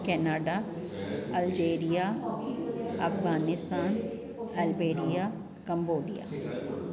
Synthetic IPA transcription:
kɛːnaːɖa | ɐld͡ʒeːɾija | ɐfɣaːnɪst̪aːn | ɛlbeːɾija | kɐ̃mboːɖija̰ː

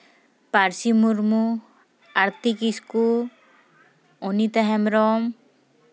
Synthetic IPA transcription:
paɾsimuɾmu | aɾt̪ikisku | onit̪aɦɛmɾɔm

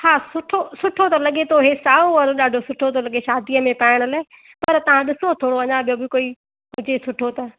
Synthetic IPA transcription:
haːsʊʈʰosʊʈʰot̪ɐlɐɠet̪ʰoɦesaːõɐɾoɗaːɖʱosʊʈʰot̪ʰolɐɠeʃaːd̪iəmẽpaːɪɽ̃ʊlaːɪ | pɐɾt̪ɐʋ̤ãɗɪsot̪ʰoːɽoɐɲãbijobɪkoːi | ɦʊd͡ʑesʊʈʰot̪ɐ

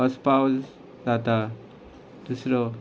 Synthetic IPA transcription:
ʌspawd͡z | d͡zat̪a | d̪̥usɾɔ

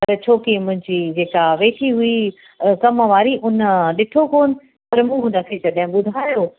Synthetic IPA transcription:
ɐɾt͡ɕʰoːkimʊ̃ɦɪ̃ɲd͡ʑiːd͡ʑeːkaʋeːʈʰiɦʊi | kɐmʋaːɾiʔʊnɗɪʈʰokoːnɪ̆ | pɐɾmũːɦũːnd̪akʰet̪ɐɗaɦɪ̃ɓʊd̪ʱaːjo

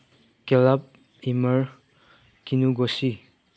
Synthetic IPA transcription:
kɛlap̚ | iməɹ | kinuɡɔsi

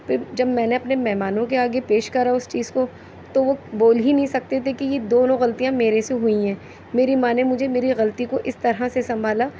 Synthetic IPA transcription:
pʰɪɾd͡ʒɐbmɛ̃ːneɐpnemɛɦmaːnõkeaːɡepeːʃkɐɾaʊst͡ʃiːzko | t̪oʋoboːlɦinɐɦĩsɐk̚t̪et̪ʰekijed̪oːnõɣɐlt̪ijãmeːɾeseɦʊĩɦɛ̃ː | meːɾimaːnemʊd͡ʒʱemeːɾiɣɐlt̪ikoʔɪst̪ɐɾɦasesɐ̃mbʱaːlaː

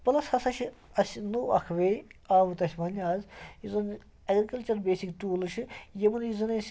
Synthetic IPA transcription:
pɐlɐsɐsɐʃʰiɐsinoːɐ̰kʰʋeaːʋɨt̪ɐsʲmɐnaːzizon | ɐɡɾikɐlt͡ʃɐɾbeːsikʈuːlɨʃʰijɐmunizɐnesʲ

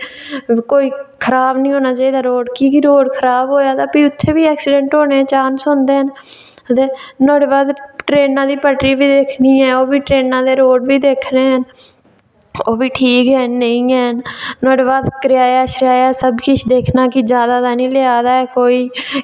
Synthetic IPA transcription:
koːiːkʰəɾaːbnĩːɦoːnaːt͡ʃaːiːd̪aːɾoːɖkiːkiɾoːɽkʰəɾaːbɦoːjaːt̪aːpiːʊt̪ʰːeːbiːɛːksɪɖɛ̃ɳʈɦoːneːɛ̃ːt͡ʃaːnsõːnd̪eːɦən | ət̪eːnoːɽeːbaːd̪ʈɾeːnãːd̪iːpəʈɾiːbiːd̪eːkʰniːɛːoːbiːʈɾeːnãːd̪eːɾoːɖʋiːd̪eːkʰneːɦən | oːbiːʈʰiːkɦɛːəĩːɛːnnoːɽeːbaːd̪kəɾɪjaːjaːʃəɾjaːjaːsəbkɪt͡ʃʰd̪eːkʰnaːkɪd͡ʒjaːd̪aːd̪aːnĩːlɪaːd̪aːɛːkoːiː

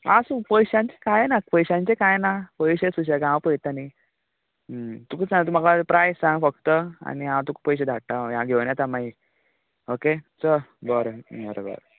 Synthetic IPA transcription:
asupəjɕãɲt͡ɕekajenak̚pəjɕãɲt͡ɕekajnapəjɕesuɕaɡãwpəjt̪ani | t̪ukət͡sãt̪um̤aɡapɾajssãŋɡfəkt̪əa̰niãwt̪ukpəjɕ̬ed̪ʱaʈajãɡʱeʋɳjat̪amai | oket͡səbəɾəbəɾo̰bə̰ɾ

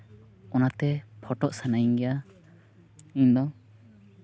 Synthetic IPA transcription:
ɔnat̪ɛpʰɔʈɔʔsanajiŋɡɛja | ĩɲd̪ɔ

